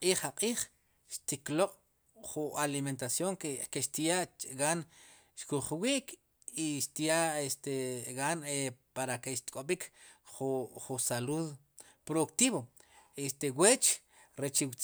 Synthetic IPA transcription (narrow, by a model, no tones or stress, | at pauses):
qʼiːχaqʼiːχ | ʃt̪ikloqʼ | χualiment̪asjoŋkekeʃt̪jaʔɡan | ʃkuχwiːʔkʰ | iʃt̪jaʔest̪eɡanepaɾakeʃt̪kʼoɓikʰχuχusaluð | pɾoðukt̪iːβoest̪ewet͡ʃ | ɾet͡ʃiwt͡s